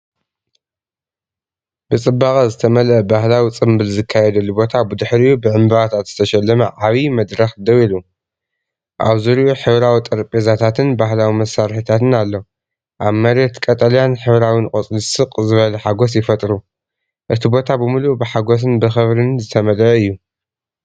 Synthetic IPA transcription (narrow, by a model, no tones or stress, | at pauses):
b̥ɨt͡sʼɨbːaχʼɐzɨt̪ʰɐmɐlɐbahlawit͡sʼɨmbɨlzɨkʰːajɛd̪ɐlːubo̞t̪ʰabɨd̪ɨħɾijubɨʕɨmbɐat̪ʰat̪z̥ɨt̪ʰɐʃɐlːɐmɐʕaβimɐd̪ɾɐxd̪ɐwilu | ʔa̰βzuɾiuħɨβɾawit̪ʼɐɾpʼezat̪ʰat̪ʰɨnbaɦlawimɐsːaɾħit̪ʰat̪ɨnalːo | ʔaβmɐɾet̪kʼɐt̪ʼɐljanħɨβɾawinkʼot͡sʼlisɨqʼzɨβɐlɐħaɡo̞s̬jɪfɐt̪ʼɾu | ʔɨt̪ʰibo̞t̪ʰabɨmulubɨħaɡos̬ɨnbɨxɐβɾinzɨt̪ʰɐmɐlʔɐɨjːu